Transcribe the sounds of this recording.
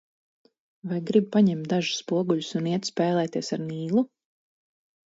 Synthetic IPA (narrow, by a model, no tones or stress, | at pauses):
vajɡɾib̚paɲɛmt̪̚d̪aʒu̥sːpuɔɡuʎusuniɛt̪spɛːlˠɛːt̪iɛsaɾniːlˠu